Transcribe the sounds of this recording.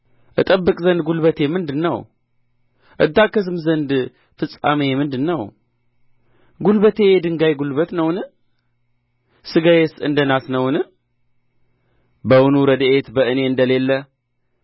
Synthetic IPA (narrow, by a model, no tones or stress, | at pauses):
ʔɨt̪ʼəbːɨkʼzənd̪̚ɡulβət̪ʰe̞mɨnd̪ɨnːəw | ʔɨ̰d̪ːakːəsɨmzənd̪ | fɨsʼːa̰memɨnd̪ɨnːəw | ɡulbət̪ʰe̞jd̪ɨŋɡajɡulbət̪nəwnɨ | sɨɡajesɨnd̪ənasnəwnɨ | bəwunuɾəd̪ʔet̪bəɨne̞ɨnd̪əle̞lːə